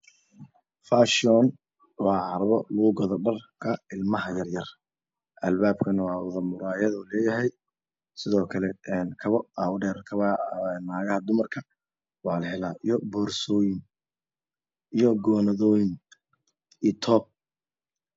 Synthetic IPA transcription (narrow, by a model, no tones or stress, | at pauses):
faːʃɔn | wɑːhɐɾβɔluɣʊɡɐðɖɐrkʰɐɪlmɐɦɐjɐrjɐr | ʔɐlbaːbkʰɐnwɑːwʊðɐmʊɾaːjɐðɔːlɛːjɐɦɛj | sɪðɔːkʰɐlɛɛnkʰɐβɔawɖɛːɾkʰɐanːaːɣɐhɐd̪ʊmɐrkʰɐ | wɑːlɐhɛlaːʔijɔbɔːrsɔːjɪŋ | ʔijɔɡɔːnɐðɔːjɪŋ | it̪ʰɔːb̚